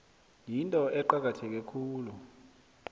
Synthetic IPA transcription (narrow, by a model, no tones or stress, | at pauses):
jintʼɔʔɛǃak̬atʰɛk̬ɛkʰuːlu